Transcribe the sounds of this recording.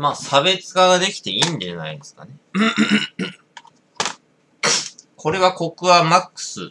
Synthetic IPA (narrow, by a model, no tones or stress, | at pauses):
maːsabe̞t͡sɨ̥ɡaɡad̪e̞kʲi̥t̪e̞ĩndena̰id̪esɨ̥ka̰nẽ̞ | kʰo̞ɾe̞βako̞kɯ̟βamakːɯ̥sɨ